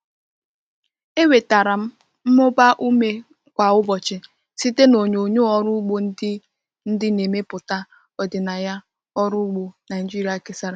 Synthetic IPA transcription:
e˦we˨ta˨ɾa˨m̩˦ | m̩˦mʊ˦ba˦ʔu˦me˦ | kʷa˨ʊ˦bɔ˨t͡ʃɪ˨ | si˦te˦no˨ɲo˨ɲo˦ɔ˨ɾʊ˦ɡ͡bo˦ | n̩˦dɪ˦ne˨me˦pʊ˨ta˦ | ɔ˨dɪ˨na˨ja˦ | ɔ˦ɾʊ˦ɡ͡bo˨na˨ɪ˨d͡ʒi˦ɾa˨ke˦sa˦ɾa˨

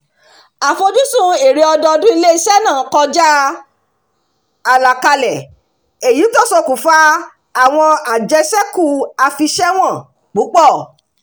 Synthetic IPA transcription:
a˨fo˧d͡ʒu˦sũ˦e˨ɾe˧ɔ˧dɔ˧dũ˦i˧le˦i˦˧ʃɛ˦nãː˦˨˦kɔ˧d͡ʒa˦ | a˨la˨ka˧lɛ˨ | e˨ji˨˦to˦˨so˧ku˨fa˦ | a˦˨w̃ɔ̃˧a˨d͡ʒɛ˧ʃɛ˦ku˦˨a˧fi˧ʃɛ˦w̃ɔ̃˦˨ | k͡pu˨˦k͡pɔ˦˨

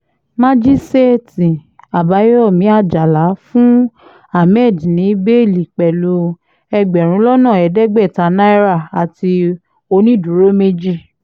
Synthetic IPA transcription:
mã˦d͡ʒi˦se˦˨ti˨a˨ba˨˦je˦ɔ˦˨mĩ˨˦a˦˨d͡ʒa˨la˨˦fũ˦ | a˦˨mɛ˦˨d͡ʒĩ˨nĩ˨˦be˦˨li˨k͡pɛ˨lu˧ | ɛ˧ɡ͡bɛ˨ɾ̃ũ˨˦lɔ˦nã˦˨ɛ˨dɛ˦ɡ͡bɛ˦˨ta˨˦nã˦i˦ɾa˦˨a˨ti˧ | o˧nĩ˦˨dũ˨˦ɾo˦me˦d͡ʒi˦˨

